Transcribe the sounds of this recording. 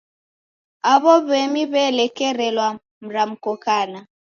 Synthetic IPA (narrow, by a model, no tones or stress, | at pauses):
aβɔβɛmiβɛlɛkɛɾɛlwa | m̩ɾam̩kɔkana